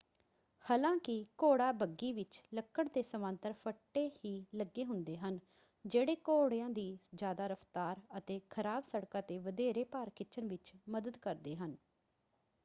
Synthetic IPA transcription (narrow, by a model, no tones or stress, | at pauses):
haːlãːkɪkoːɽaːbəɡːiːʋɪt͡ʃləkːəɽd̪eːsəmə̃ːnt̪əɾfʰəʈːeːhiːləɡːeːɦʊnd̪eːɦən | d͡ʒeːɽeːkoːɽejãːd̪iːd͡ʒjaːd̪aːɾəft̪aːɾət̪eːkʰəɾaːbsəɽkãːt̪eːʋəd̪eːɾeːpaːɾkɪt͡ʃʰənʋɪt͡ʃməd̪əd̪kəɾd̪eːɦən